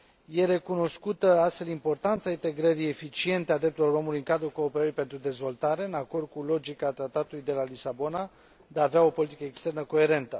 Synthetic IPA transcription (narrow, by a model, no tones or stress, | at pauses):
je̞ɾe̞kuno̞skut̪əast̪fe̞limpo̞rt̪ant̪saint̪e̞ɡɾəɾie̞fit͡ʃie̞nt̪ead̪ɾe̞p̚t̪uloɾo̞mulujɨŋkad̪ɾuko̞ːpe̞ɾəɾijpe̞nt̪ɾud̪e̞zvo̞lt̪aɾe̞ɨnako̞rd̪̚kulo̞d͡ʒikat̪ɾat̪at̪ulujd̪e̞lalisabo̞na | d̪eaːveao̞po̞lit̪ikəekst̪e̞rnəko̞e̞ɾe̞nt̪ə